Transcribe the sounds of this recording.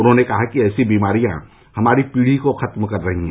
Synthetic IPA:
ʊnɦõnekɐɦakiɛːsibiːmaːɾijã | hɐmaːɾipiːɽ̤ikoxʰɐt̪mkɐɾːɐɦiɦɛ̃

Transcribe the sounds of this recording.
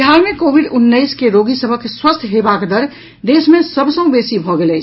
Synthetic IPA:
ɦaɾmẽkoːbʱiɖʊnːəɪskeɾoɡisəbʱəkswəst̪ʰɦebakd̪əɾ | d̪eːsmẽsəbsə̃ũbesibʱɔɡelɛt͡ʃʰ

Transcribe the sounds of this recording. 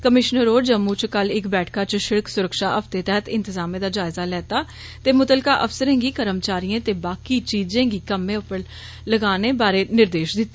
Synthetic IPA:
kəmɪʃnəɾoːd͡ʒəmːuːt͡ʃkəlɪkbɛːʈʰkaːt͡ʃʃɪɽəksʊɾəkʃaːʔəft̪eːt̪ɛɦət̪ɪ̃nt̪ɪzaːmẽːd̪aːd͡ʒaːɪzaːlɛːt̪aː | t̪eːmʊt̪əlkaːʔəfsəɾẽːɡiːkəɾəmt͡ʃaːɾijẽːt̪eːbaːkiːt͡ʃiːzẽːɡiːkəmẽːʊpəɽ | ləɡaːneːbaːɾeːnɪɾd̪eːʃd̪ɪt̪ːeː

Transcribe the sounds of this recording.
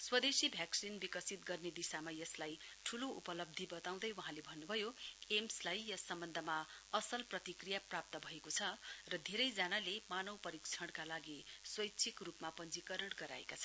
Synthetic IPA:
swʌd̪esibʱjaksinbikʌsit̪̚ɡʌrned̪isamajʌslajʈʰuloupʌlʌb̚d̪ʱibʌt̪aw̃d̪ʌjwʌɦãlebʱʌnːubʱʌjoemslajjʌsʌmbʌnd̪ʱʌmaʌsʌlprʌt̪ikrijaprap̚t̪ʌbʱʌekot͡sʰʌrʌd̪ʱeɾʌjd͡zanalemanʌwpʌɾik̚t͡sʰʌɽ̃kalaɡiswʌjtːt͡sʰikrupmapʌnd͡zikʌɾʌɽɡʌɾa̰ḛkat͡sʰʌ

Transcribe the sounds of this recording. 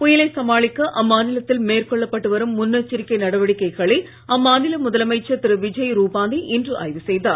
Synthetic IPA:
pʊjɪlɐɪsɐmaːɭɪkːɐʔɐmːaːnɪlɐt̪ːɪlmeːrkɔɭːɐpːɐʈːɯʋɐɾɯmːʊnːɐt͡ʃːɪɾɪkːɐɪnɐɽɐʋɐɽɪkːɐɪɣɐɭɐ | ɐmːaːnɪlɐmʊðɐlɐmɐɪt͡ʃːɐt̪ːɪɾɯʋɪd͡ʒɐjɾuːpaːnd̪iʔɪndrɯʔa̰ːjʋɯsɛjðaːɾ

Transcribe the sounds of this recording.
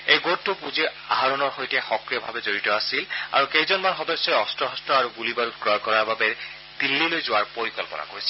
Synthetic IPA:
ejɡoupuziaɦaɹɔnɔɹxojtɛxɔkɹiɔbʱa̰bɛzoɹitɔasila̰ɹukejzɔnmanxɔdɔsːɔɛɔstɹɔɦɔstɹɔaɹuɡulibaɾut̚ɡɹɔjkɔɹaɹbabɛ | d̪̥ilːilojzowaɹpoɹikɔlpɔna̰koɹisɛ

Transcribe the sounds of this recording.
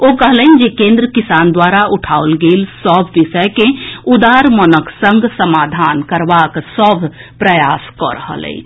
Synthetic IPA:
okəɦlənd͡ʒekẽːnd̪ɾəkɪsaːnd̪waːɾaʔʊʈʰaolɡelsəbʱʋɪʃəjkeud̪aːɾmənəksə̃ŋɡʱsəmaːd̪ʱaːnkəɾbaksəbʱpɾəjaːskɔ̰ɾəɦə̰lə̰ḭ

